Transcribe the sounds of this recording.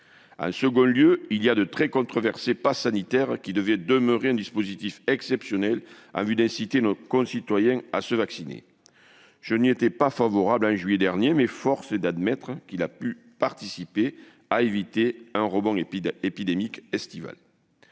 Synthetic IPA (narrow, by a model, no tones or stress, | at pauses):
ɑ̰̃səɡɔ̃ljøiliad̪ət̪χɛkɔ̃t̪χɔvɛʁsepasanit̪ɛʁkʲid̪əvɛd̪əməʁeɛ̃nd̪ispozit̪ifɛksɛpsjɔnɛlɑ̰̃vyd̪ɛ̃sit̪enɔkɔ̃sit̪wajɛ̃a̰səvaksinḛ | ʒ̥əniet̪ɛpafavɔʁablɑ̃ʒɥyed̪ɛʁnjemɛfɔʁsəd̪ad̪mɛt̪χəkilapy | paʁt̪isipe | aevit̪eɛ̃ʁɔbɔ̃epid̪emikɛst̪iva̰l